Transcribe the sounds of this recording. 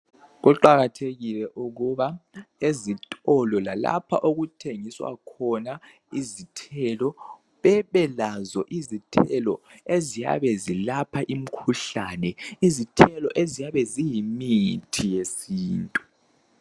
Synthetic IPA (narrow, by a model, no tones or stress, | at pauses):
ɣuǃaɣatʰeɣilɛʔuɣuβaezitʼɔlɔlala̰pʰa̰ʔoɣutʰeŋiswa̰kʰɔna | izitʰɛlɔ | βɛβɛlazɔʔizitʰɛlɔezija̰βɛzilapʰaʔim̩kʰuɬanɛizitʰɛlɔʔezijaβɛzijimitʰijesiːntʼu